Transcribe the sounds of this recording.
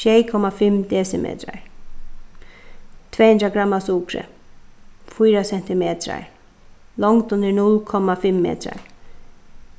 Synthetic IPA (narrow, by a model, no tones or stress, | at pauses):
ʃekʰɔmafɪmd̪eːsəmʔḛːt̪ʰɾa̰ɹ | t̪ʰveːhɵnd̪ɾaɡɾamːasuːkɾə̰ | fyːɾasɛnt̪ɪmeːt̪ɾa̰ɹ | lɔŋt̪ʉnd̪ənʊlkʰɔmːafɪmːḛːt̪ʰɾa̰ɹ